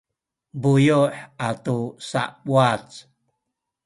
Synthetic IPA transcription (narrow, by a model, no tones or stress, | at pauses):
bujuħat̪usa̰ʔɓwat͡s